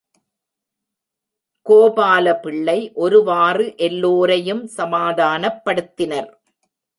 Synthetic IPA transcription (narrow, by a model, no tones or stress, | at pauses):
koːbaːlɐpɪɭːɐɪʔɔɾɯʋaːrɯʔɛlːoːɾɐjɯmsɐmaːðaːnɐpːɐɽɯt̪ːɪnɐɾ